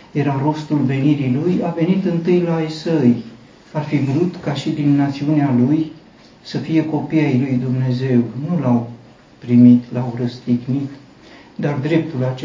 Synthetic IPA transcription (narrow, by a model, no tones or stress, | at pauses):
je̞ɾaɾo̞st̪ulve̞niɾilujave̞nit̪ɨnt̪ɨjlajsəj | arfibɾut̪kaʃid̪inːat̪siunealuj | səfije̞ko̞piajlujd̪umne̞ze̞wnulaw | pɾimit̪lawrəst̪iɡnit̪ | d̪ard̪ɾe̞p̚t̪ulat͡ʃe